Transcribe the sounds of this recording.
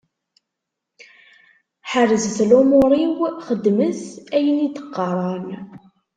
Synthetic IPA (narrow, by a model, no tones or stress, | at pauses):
ħərəzθlomʊɾˤiwχəd̪ːməsæjənit̪ə̥qːɑɾˤɑn